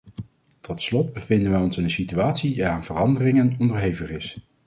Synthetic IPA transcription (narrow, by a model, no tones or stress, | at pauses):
tɔtslɔd̚bəvɪndənʋɛjɔnsənənsityaːtsidaaːnv̥ərɑndərɪŋənɔndəɹɦejvərɪs